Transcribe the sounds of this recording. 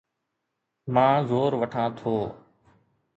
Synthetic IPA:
mãːzoːɾʋəʈʰãːt̪ʰoː

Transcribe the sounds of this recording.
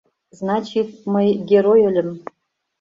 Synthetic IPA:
znat͡ʃʰit̚mɨɡʲeɾojolʲəm

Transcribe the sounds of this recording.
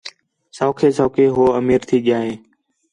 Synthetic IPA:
soːkʰeːsoːkʰeːɦoːəmiːɾt̪ʰiːɠɪjaːɦeː

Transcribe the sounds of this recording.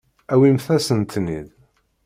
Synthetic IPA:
æwimθæsənt̪nḭð

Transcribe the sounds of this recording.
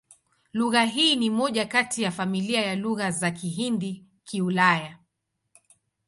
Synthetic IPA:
luɣaɦiːnimɔʄakatijafamiliajaluɣazakiɦindi | kʰiulaja

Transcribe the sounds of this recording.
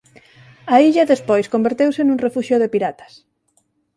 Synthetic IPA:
aiʎaðespojskombeɾt̪ewsenuŋrefuʃjoðepiɾat̪ḁs

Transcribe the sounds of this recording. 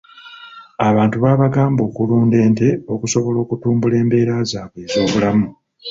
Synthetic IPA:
aβaːntuβaːβaɡaːmbo̞ːkuluːnde̞ːnte̞o̞kuso̞βo̞lo̞ːkutuːmbule̞ːmbe̞ːɾazaːβeːzo̞ːβulamu

